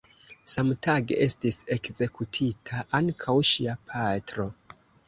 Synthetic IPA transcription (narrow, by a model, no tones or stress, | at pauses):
samtaɡeʔe̞stise̞kze̞kutʰitʰaʔaŋkʰawʃiapʰatɾo̞